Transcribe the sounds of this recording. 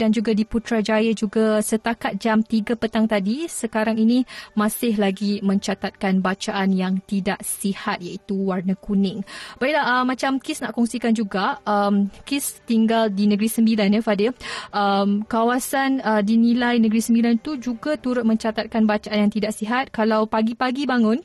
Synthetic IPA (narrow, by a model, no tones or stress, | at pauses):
dand͡ʒuɡadiput̪ɾad͡ʒajəd͡ʒuɡasət̪akat̪̚d͡ʒamt̪iɡapət̪aŋt̪adisəkaɾaŋinimãsɪhlaɡimə̃ɲt͡ʃat̪at̪̚kanbat͡ʃaʔanjaŋt̪idaʔsihat̪̚jait̪uwarnəkunɪŋb̥aiʔlahəmãt͡ʃamkɪsnaʔkɔŋsikand͡ʒuɡaəmkɪst̪iŋɡaldinəɡɾisəmbilanjəfadɪəmkawasanədinilajnəɡɾisəmbilant̪ud͡ʒuɡat̪uɾʊt̪̚mə̃ɲt͡ʃat̪at̪̚kanbat͡ʃaʔanjaŋt̪idaʔsiɦat̪̚kalawpaɡipaɡibaŋʊn